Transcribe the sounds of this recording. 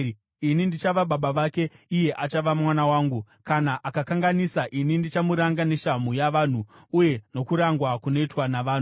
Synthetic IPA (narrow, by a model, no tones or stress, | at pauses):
inindit͡ʃaʋaɓaɓaʋake̞ije̞ʔat͡ʃaʋamwanawaːŋɡu | kanaʔakakaŋɡanisaʔinindit͡ʃamuɾaŋɡane̞ʃamujaʋaːn̤uuje̞no̞kuɾaŋɡwakuno̞itwanaʋaːn̤u